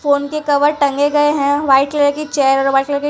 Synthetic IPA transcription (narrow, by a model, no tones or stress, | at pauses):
foːnkekɐʋəɾʈɐ̃ŋɡeɡɐeɦɛ̃ʋaːɪʈleɾkit͡ʃɛːəɾɔɾʋaːɪʈleɾki